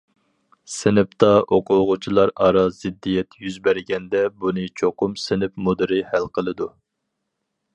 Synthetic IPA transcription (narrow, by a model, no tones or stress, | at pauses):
sɪnɪp̚t̪ɑʔoqʰʊʁʊt͡ʃʰilˠɑɾɑɾɑz̥ɪd̪ːijɛt̪jyzbæɾɡʲɛnd̪ɛbunɨt͡ʃʰoqʰʊmsɪnɪpmud̪ɨɾɪhælqʰəlˠɨd̪u